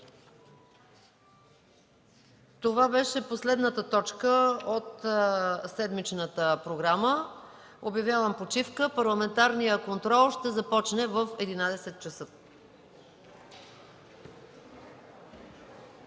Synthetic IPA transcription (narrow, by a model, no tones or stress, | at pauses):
t̪ovabɛʃɛposlɛd̪nət̪ət̪ɔt͡ʃkəot̪ | sɛd̪mit͡ʃnət̪əpɾoɡɾamə | objɐvʲjavəmpot͡ʃifkəpɐɾlˠɐmɛnt̪aɾnijəkont̪ɾɔlˠʃt̪ɛzɐpɔt͡ʃnɛvəfɛd̪inad̪ɛsɛt̪̚t͡ʃəsɤ